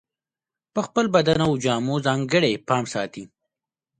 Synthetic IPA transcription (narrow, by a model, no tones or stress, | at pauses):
pəxpəlbad̪anawd͡ʒɑːmozɑːŋɡəɽepɑːmsɑːt̪i